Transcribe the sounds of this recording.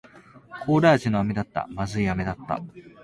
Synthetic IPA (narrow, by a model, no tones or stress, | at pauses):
kʰoːɾaːt͡ɕinoamid̪at̪ːa̰mazɨijame̞d̪at̪ːa̰